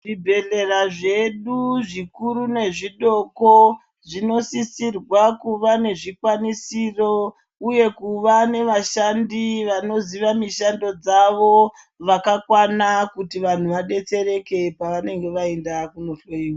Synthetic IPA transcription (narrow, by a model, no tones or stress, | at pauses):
ʐibʱe̞ɮe̞raʐe̞ɗuʐikuɾune̞ʐiɗo̞ko | ʐino̞sisirwakuʋane̞ʐikwanisiro | uje̞kuʋane̞ʋaʃandiʋano̞ziʋamiʃando̞d͡zaʋo | ʋakakwanakutiʋan̤uʋaɗe̞t͡se̞ɾe̞ke̞paʋane̞ŋɡe̞ʋae̞ndakunoɬoiwa